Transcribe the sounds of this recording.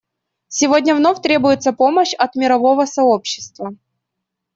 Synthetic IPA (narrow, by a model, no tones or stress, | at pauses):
sʲɪvodʲnʲəvnofʲt̪ɾʲebʊjɪt̪səpo̞məɕɐt̪mʲɪɾɐvo̞vəsɐo̞pɕːɪ̥st̪və